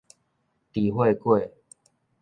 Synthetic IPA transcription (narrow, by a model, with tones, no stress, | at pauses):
t̪i˨˩hwe˥˧kwe˥˨